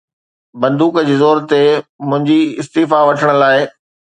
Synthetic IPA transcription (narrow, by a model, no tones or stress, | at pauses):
bɐ̃nd̪uːkd͡ʑeːzoːɾt̪emʊ̃ɦɪ̃ɲd͡ʑiɪst̪iːfaʋɐʈʰəɽ̃ʊ̆laːɪ